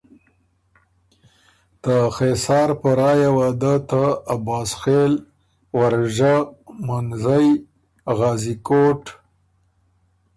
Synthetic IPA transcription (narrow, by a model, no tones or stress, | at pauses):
t̪əxesɑːɾpəɾɑjawɑd̪ət̪aːbɑːsxel | waɾʒamanzaj | ɣɑːzikoʈ